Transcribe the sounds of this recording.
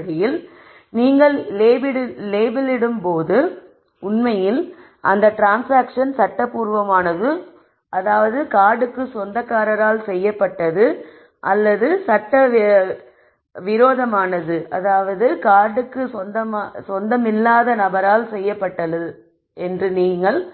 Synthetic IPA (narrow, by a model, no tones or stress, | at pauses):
ɽɪjɪl | niːŋɡɐɭleːbɪɽleːbɐlɪɽɯmpoːðɯ | ʊnmɐjɪl | ʔɐnd̪ɐʈɾaːnsaːkʂɐnsɐʈːɐpːuːɾʋɐmaːnɐðɯ | ʔɐðaːʋɐðɯkaːɽɯkːɯsɔnd̪ɐkːaːɾɐɾaːlsɛjːɐpːɐʈːɐðɯ | ʔɐlːɐðɯsɐʈːɐ | ʋɪɾoːðɐmaːnɐðɯʔɐðaːʋɐðɯkaːɽɯkːɯsɔnd̪ɐmsɔnd̪ɐmɪlːaːðɐnɐbɐɾaːlsɛjːɐpːɐʈːɐðɯ | ɛndrɯniːŋɡɐɭ